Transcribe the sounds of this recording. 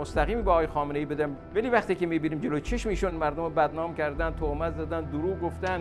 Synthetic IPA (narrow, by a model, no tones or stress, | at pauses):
ost̪æɣiːmiːbeɒːɣːjexɒːmenejiːbed̪æm | væliːvæχt̪iːkʲemiːbiːniːmd͡ʒelot͡ʃʰeʃmiiːʃunmæɾd̪ombæd̪nɒːmkʲʰæɾd̪æn̚t̪ʰomæt̪zæd̪ænd̪uɾuːɡoft̪æn